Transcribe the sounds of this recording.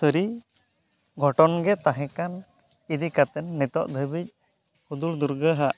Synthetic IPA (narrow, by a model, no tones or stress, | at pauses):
səɾi | ɡʱɔʈɔnɡɛt̪aɦɛ̃kan | id̪ikat̪ɛnːɛt̪ɔʔd̪ʱəbic̚ | kud̪uld̪uɾɡəɦaʔ